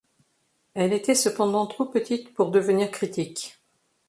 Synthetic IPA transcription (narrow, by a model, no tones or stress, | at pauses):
ɛlet̪ɛsəpɑ̃d̪ɑ̃t̪χopət̪it̪puʁd̪əvəniʁkχit̪ik